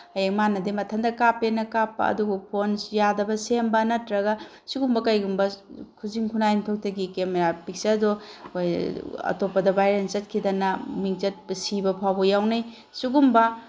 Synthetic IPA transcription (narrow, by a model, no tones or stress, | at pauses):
ɐjeŋmanɐdimɐtʰɐndɐkapenɐkapːɐ̰ɐ̰duɡupʰonjadɐbɐsembɐnɐtɾɐɡɐ | suɡumbɐkɐjɡumbɐkʰuziŋkʰunajmtʰok̚tɐɡikemeɾapik̚sɐɾdohojɐ̰topɐdɐbajɾenzɐt̚kʰidɐnɐmiŋzɐt̚bsibɐpʰawbojawnaj | suɡumbɐ